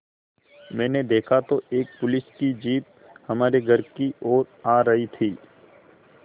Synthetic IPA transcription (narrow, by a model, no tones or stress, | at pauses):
mɛ̃ːned̪eːkʰat̪oeːk̚pʊlɪskid͡ʒiːt̪̚ | hɐmaːɾeɡʱɐɾkiʔoːɾaːɾɐɦit̪ʰiː